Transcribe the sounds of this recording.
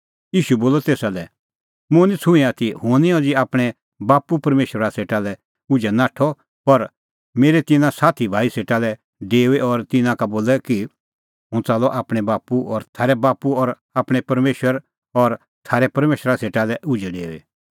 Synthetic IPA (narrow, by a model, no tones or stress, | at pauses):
jiːʃuboːlɔt̪eːsalɛ | mʊ̃nit͡sʰʊ̃ĩat̪ihʊ̃nĩɔ̃d͡ʒiaːpɽ̃ɛ | baːpupɐɾmeːʃɾaseːʈalɛ | ʊd͡ʒɛnaːʈʰɔ | pɐɾ | meːɾet̪ɪnãsaːt̪ʰibʱaːiseːʈalɛ | ɖeːeɔɾt̪ɪnãkaboːlɛki | ɦʊ̃t͡saːlɔʔaːpɽ̃ɛbaːpuɔɾt̪ʰaːɾɛbaːpuɔːɾ | aːpɽ̃ɛpɐɾmeːʃəɾ | ɔɾ | t̪ʰaːɾɛpɐɾmeːʃɾaseːʈalɛʔʊd͡ʒɛɖḛːḛ